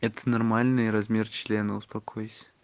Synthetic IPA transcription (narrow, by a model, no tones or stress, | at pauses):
ɛt̪ʰə̥nɐrmalʲnɨjɾɐzmʲe̞rt͡ɕlʲe̞nəʊspɐkʰojɪsʲ